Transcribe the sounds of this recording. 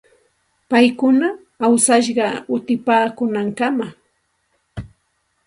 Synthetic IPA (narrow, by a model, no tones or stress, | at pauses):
pajkʊnaː | wsaʃ̬ɢɑʊt̪ɪpaːkʊnaŋkama